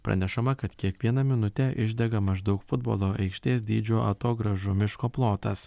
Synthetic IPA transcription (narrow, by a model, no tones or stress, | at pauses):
pɾɐ̰nʲɛʃɐmɐkɐt̪kʲiɛkʋʲiɛnɐmʲɪnʊt̪ʲɛʔɪʒʲd̪ʲɛɡɐmɐʒd̪ɒʊkfʊd̪bo̰ːlˠoːʔɛɪkʃʲt̪ʲeːs̬d̪ʲiːd͡ʒʲoːʔɐt̪oːɡɾɐʒumʲɪʃkoːplˠoːt̪ɐs